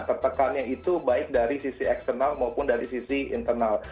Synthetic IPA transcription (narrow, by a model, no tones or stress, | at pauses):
t̪ərt̪əkanɲait̪ubaɪk̚daɾisisiɛkst̪ənalmaupʊndaɾisisiḭnt̪ərnal